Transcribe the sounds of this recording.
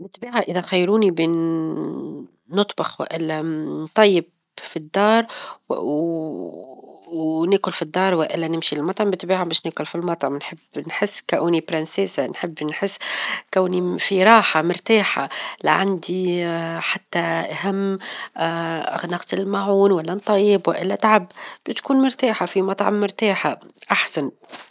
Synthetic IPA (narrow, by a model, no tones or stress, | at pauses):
bɪt̪biːʕaʔɪðaxajːɾuːniben | ʊt̪ˤbɑxwa̰ʔɪlːant̪ˤɑjːɪb̚ | fid̪ːɑːɾˤ | nɪːkʊlfid̪ːɑːɾˤwaʔɪlːanɪmʃilɪlmɑt̪ˤɑʕmbɪt̪biːʕabaːʃneːkʊlfilmɑt̪ˤʕnħɪbːnħɪsːkaʔuːnibɾɪnseːsanħɪbːnħɪsːkawnifiɾˤɑːħamʊɾt̪aːħa̰laʕand̪iħat̪ːaʔaɦamː | a̰nɑqt̪ɪllmaʕuːnwalːant̪ˤːɑjːɪbwaʔɪlːat̪ʕabbt̪kuːnmʊɾˤt̪aːħafimɑt̪ˤʕɑ̰mːʊɾˤt̪aːħaʔaħsan